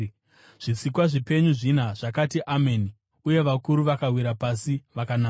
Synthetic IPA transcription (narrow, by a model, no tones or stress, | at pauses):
ʐ̥isikwaʐipe̞ɲuʐinaʐakatiʔameni | uje̞ʋakuɾuʋakawiɾapasiʋakanaː